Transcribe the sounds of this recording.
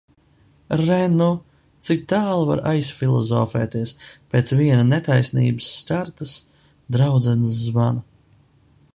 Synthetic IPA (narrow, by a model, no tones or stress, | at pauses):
ɾɛnu | t̪sik̚t̪aːlˠva̰ɾajsfʲilˠɔ̰zɔːfɛ̰ːt̪iɛspeːt̪sviɛnanɛt̪ajsnḭːbɨsːkaɾt̪as | d̪ɾawd̪zɛnsːvana